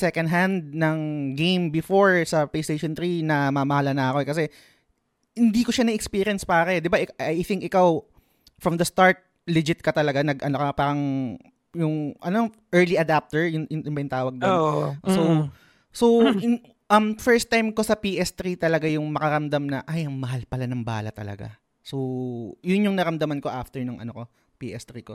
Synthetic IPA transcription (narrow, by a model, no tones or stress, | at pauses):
sɛkɐ̃nd̪ɦand̪̚nɐŋɡejmbɪfoɹsɐplejst̪ejʃont̪ɾinɐmamɐhalɐnɐɐko̞ɛkɐs̬ɛ | hɪnd̪iːkoʃanɐɛkspiɾɪjɐnspaːɾɐd̪ɪbaʔɪkʔɐjθɪŋk̚ɪkaw | fɹɐmd̪ɐst̪aɹt̪̚ | lɪd͡ʒɪt̪̚kɐt̪ɐlɐɡanɐɡʔɐnokɐpaːɾɐŋ | jʊŋʔɐno | ʔɛɹliʔɐd̪ap̚t̪ɛɹjʊnʊnɪʊmbɐjʊnt̪aːwɐɡ̚d̪oso | sow | ʔɐmfɛɹst̪ːajmko̞sɐpiʔɛst̪ɾit̪ɐlɐɡajʊŋmɐkɐɾɐmd̪amnɐʔajɐŋmɐɦalpɐlanɐŋba̰ːlɐt̪ɐ̰lɐ̰ɡa̰ | sojʊnjʊŋnɐɾɐmd̪ɐmɐnko̞ʔaft̪ɛɹnʊŋʔɐ̰noko̞ | piʔɛst̪ɾiːko